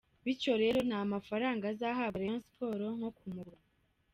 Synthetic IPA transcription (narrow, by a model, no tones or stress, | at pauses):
βico̞ɾe̞ɾo̞n̥hamafaɾaːŋɡazaːɦaɾenspo̞ːɾo̞ŋ̥ho̞kumuɾa